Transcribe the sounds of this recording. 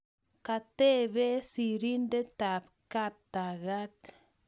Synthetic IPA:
ka˨t̪e˦βe˦si˨ɾi˦nde˦t̪a˨p | ka˦p̚t̪a˨ɣa˦t̪

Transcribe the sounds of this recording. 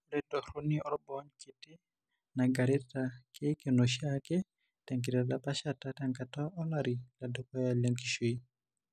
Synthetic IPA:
lɛ˦dɔ˨ɾu˦niɔ˦lɔbɔ˦ɲki˨tɛ˦ | na˨ɡa˨ɾɛ˦take˦ke˨no˨ʃakɛ˦ | tɛ˨ŋki˨ta˨la˨pa˦ʃata˦taŋka˨tɔ˦ɔ˦laɾi˨la˨dɔ˦kɔ˦ja˨le˨ŋki˨ʃo˦i˦

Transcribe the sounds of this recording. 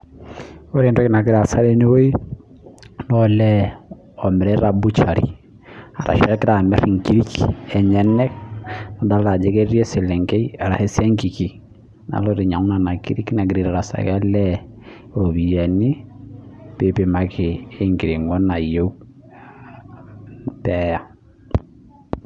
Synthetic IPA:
o˦ɾe˨ntɔ˦kina˨ɡi˦ɾa˨sa˦ɾe˦ni˦wo˦i˦ | nɔlɛ | ɔ˨mɛ˨ɾɛ˦ɾa˨bu˦t͡ʃa˨ɾḭ˨ | a˨ɾa̰˨ʃɾɛ˦ki˦ɾa˨mɛ˦ɾi˨ŋki˦ɾi˦kɛ˨ɲɛ˦nɛ˦kna˨da˦la˨d͡ʒɛ˦kɛ˦ɾjɛ˦se˨lɛ˨ŋɡe˦i˦a˨ɾa˨hɛ˦si˦ɛ˦ŋki˨ki˨ | na̰˨lɔ˦ɾi˨ɲa˨ŋu˦na˨na˨ki˦ɾi˦ki˦na˨ɡ̬i˨ɾi˨ɾa˨ɾa˨sa̰˨ka˦lɛ˦ | o˨βi˨jɛ˨ni˦ | pe˨pe˨ma˨kɪː˨˦ŋɡi˨ɾi˨ŋɔ˦na˨jo˦u | pɛ˦ja˦

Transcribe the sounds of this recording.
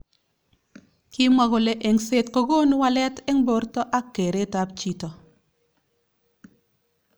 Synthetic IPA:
ki˦mwa˦ɣo˨le˨˦ʔe˨ŋse˦tko˦ɡo˦nu˦wa˦lɛ˦tɛ˦ŋbo˦ɾtɔ˦ʔa˦kːe˨ɾe˦ta˦pt͡ʃi˦tɔ˨

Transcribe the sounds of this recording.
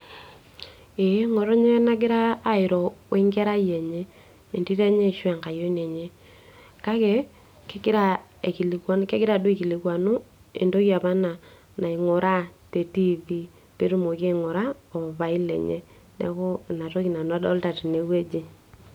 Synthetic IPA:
e˨˦ŋo˨ɾɔ˦ɲe˦na˦ɡɪ˦ɾaː˦ɪ˨ɾɔ˨we˦ŋɡɛ˦ɾa˦je˨ɲe˦ | i˨ndi˦tɛ˦ɲe˦˨ʃwɛ˨ŋka˨jo˦ne˨ɲe˦ | ka˦kɛ˦ | ke˦kɪ˦ɾa˦e˨ki˨li˨ka˦nke˦ɡɪ˦ɾa˨do˦i˨ki˨li˨kwa˨nu˦ | ḛ˨ndo˦kja˨pa˦na˨ | na˨i˨ŋɔ˨ɾʔa˦te˨ti˦vi˦ | te˦ɾu˦mo˨ke˦ŋɔ˨ɾa˦o˨ba˨i˦lḛ˨ɲḛ˦ | nɛ̰˨˦ko˦˨na˨to˦ki˨na˨nɔ˦dɔ˦lta˨ti˨ne˨we˦d͡ʒi˦

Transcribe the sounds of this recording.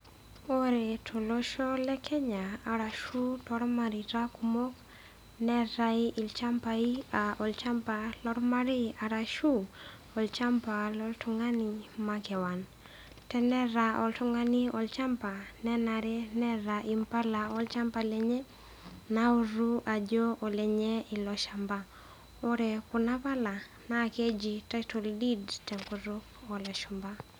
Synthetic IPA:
ɔ˦ɾɛ˨tʰo˨lɔ˦ʃɔ˦lɛ˦kʰɛ˦ɲaː˨ɾa˨ʃu˦tɔ˦ɾma˨ɾi˨ta˦kumɔ˦k | nɛ˦ɾaiʔi˨lt͡ʃa˦mpaiaʔɔ˨lt͡ʃa˦mpa˨lɔ˦ɾma˦ɾi˦a˨ɾa˨ʃu˦ | ɔ˨lt͡ʃa˦mpa˨lɔ˦ltu˨ŋa˦nimakɛ˨wan | tɛ˦nɛ˦ɾaɔltuŋɡa˦niɔlt͡ʃa˦mpanɛ˦naɾɛ˦nɛ˦ɾaʔimpa˦laɔlt͡ʃa˦mpalɛɲɛ˦ | nauɾuʔad͡ʒo˦ɔ˨lɛɲɛi˨lɔʃamba | ɔ˦ɾɛku˨na˦pa˦la˨ | nake˦d͡ʒitatɔldi˦dtɛŋkuɾo | ɔlɛʃumba

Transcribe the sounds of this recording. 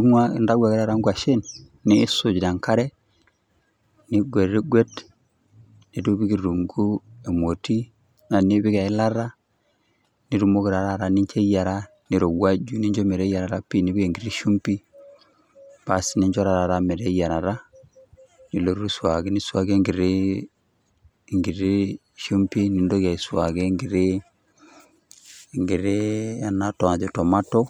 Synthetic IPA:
u˦a˦˨nda˦ɡʷa˨ɡi˦ɾa˦˨ɾa˦ŋɡu˦a˨ʃe˦n | niː˦su˨d͡ʒda˨ŋka˦ɾe˦ | ni˦ɡʷe˨ɾɾi˦ɡʷe˦d | ni˨du˦bi˦ɡi˨ɾu˨ŋɡu˦e˨mo˨ti˦ | na˨ni˦bi˦ɡe˨i˦la˦ɾa˦ | ni˨˦ɾu˨mo˦ɡi˨ɾa˨ɾa˦˨ɾa˦ni˦ɲt͡ʃe˦ja˨ɾa˦ | ni˨ɾo˨wa˦d͡ʒu˦˨ni˦ɲd͡ʒo˦me˨ɾe˦ja˨ɾa˨ɾa˦pi˦ni˦bi˦ɡe˨ŋɡi˦ɾi˦ʃu˦mpi˦ | pa˨si˨ni˦ɲd͡ʒɔ˦ɾa˨ɾa˨ɾa˦mɛ˨ɾɛ˦ja˨ɾa˨ɾa˦ | ni˨lo˦ɾu˦swa˨ɡe˦ni˦swa˨ɡe˦ŋɡɪ˨ɾe˦ | ŋɡi˨ɾi˦ | ʃu˦mpi˦ni˨ndo˦ka˨i˨swa˨ɡe˦ŋɡɪ˨ɾe˦˨ | ŋɡɪ˨ɾe˦a˨na˨tɔ˨a˨ðɔ˨tɔ˨ma˦tɔ˦

